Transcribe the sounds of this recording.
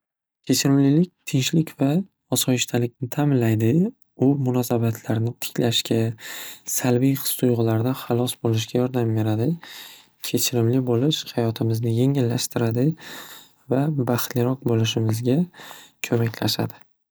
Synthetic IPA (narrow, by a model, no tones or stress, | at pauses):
kʲʰe̞t͡ʃʰɪɾɪmlɪlɪk̚ʲt̪ʰɪnʃlɪkʲva | ɒsɒjɪʃt̪ʰalɪkʲnɪt̪ʰamɪnlajd̪ɪ | ʊmʊnɒsabat̪ʰlaɾnɪt̪ʰɪ̥kʲlaʃkʲasalbijqɨ̥st̪ʊjʁʊlaɾd̪anχɑlˠɒsbolɪʃ̬ɡʲajɒɾd̪ambe̞ɾad̪ɪ | kʲʰe̞t͡ʃʰɪɾɪmlɪbolɪʃhajɒt̪ʰɪmɪznɪje̞ŋɪlːaʃt̪ɪɾad̪ɪ | vabaχt̪lɪɾɒq̚bolɪʃɪmɪzɡʲakʲʰɵmakʲlaʃa̰d̪ɪ